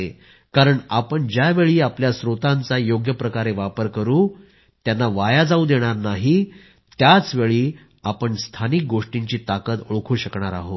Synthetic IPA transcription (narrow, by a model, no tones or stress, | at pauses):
e | kaɾəɳapəɳd͡ʑjaʋeɭiːapljasɾot̪ãnt͡sajoɡjəpɾəkaɾeʋapəɾkəɾuː | t̪janːaʋajad͡zaud̪eɽ̃aɾnaɦi | t̪jat͡sʋeɭiː | apəɳst̪ʰanik̚ɡoʂʈiɲt͡ɕiːt̪akət̪oɭkʰuːɕəkɳ̃aɾa̰ɦo